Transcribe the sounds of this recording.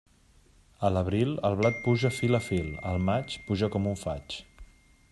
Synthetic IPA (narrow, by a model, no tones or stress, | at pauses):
ələβ̞ɾilˠəlˠβlat̪̚puʒəfiləfilˠə̰lˠmat͡ʃpuʒəkɔmuɱfa̰t͡ʃ